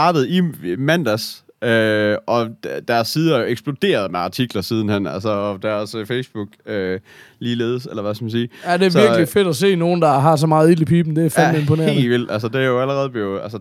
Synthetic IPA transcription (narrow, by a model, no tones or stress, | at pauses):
ɑ̈ːd̥əð̞̩ˠimænd̥æs | øʔɒ̥̽d̥æɐsiːðˠɐjoeɡ̥sb̥lo̝d̥e̝̰ːɐð̞̩ˠmeɑ̈t͡sʰiɡ̥lɐsiːð̞ˠn̩hen̰æ̰lsəɒd̥æɒsəfeɪsb̥uɡ̥ø | liːleːð̞ˠselɐʋæsɡ̥ɐmæns̬iːæd̥e̝æsiɐɡlife̝d̥æse̝̰ːno̝ːn̩d̥ɑ̈ɦɑ̈s̬ɒ̽mɑ̈ːð̩ˠiləpʰiːb̥n̩d̥e̝æfæempʰoneɐe̝̰lʋil̰d̥ælsəd̥e̝æɐjoæləʁɛð̞̩ˠb̥leʊælsə